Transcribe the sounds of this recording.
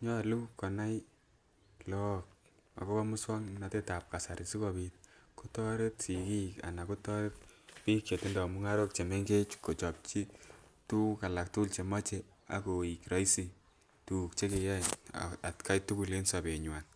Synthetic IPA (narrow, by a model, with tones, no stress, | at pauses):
ɲɔ˦lu˦kɔ˨na˦j | lɔk̚ | a̰˨ko˦ba˦mu˦swa˦ŋna˨te˦ta˨p̚ka˨sa˨ɾi˨si˦kɔ˧pi˦t̚ko˦tɔ˦ɾe˦tsi˨ki˦ka̰˨na˨ko˦tɔ˦ɾe˦k̚pi˦k̚t͡ʃe˨ti˦ndɔ˨mu˦ŋa˦ɾo˦k̚t͡ʃe˨me˦ŋɡe˦t͡ʃko˨t͡ʃɔ˨p̚t͡ʃi˦tu˦ka˨la˨k̚tu˦lt͡ʃe˨ma˦t͡ʃe˨ | a̰˨ko˨i˨kɾa˦isi˨ | tu˨kt͡ʃe˦ke˨ja̰˦a˨tka˦jtu˦ku˨le˦nsa˨pe˨ɲwa˨n